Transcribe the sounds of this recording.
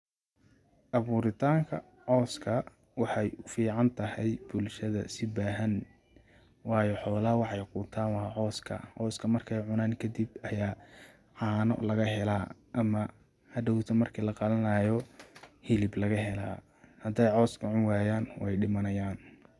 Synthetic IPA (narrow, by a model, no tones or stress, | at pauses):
ʔɐβuːɾɪt̪ʰaːŋkʰɐ | ʕɔːskʰɐ | wɑħɑjʊfiːʕɑnt̪ʰɐhɛjb̥ʊlʃɐðɐ̰sɪbaːɦɐn | wɑːjɔħɔːlɐhwɑħɑjqʊːt̪ʰaːnwɑːʕɔːskʰɐ̰ʕɔːskʰɐmɐrkʰɛjʕʊnaːŋkʰɐd̪ibɐjaː | ʕɑːnɔ̰lɐɣɐɦɛlaːʔɐmɐ | hɐd̪ɐwt̪ʰɐmɐrkʰiːlɐqɑlɐnaːjɔhɪlɪblɐɣɐɦɛla̰ː | hɐd̪ɛjʕɔːskʰɐʕʊnwaːjaːnwʔɛjɖɪmɐnɐjaːn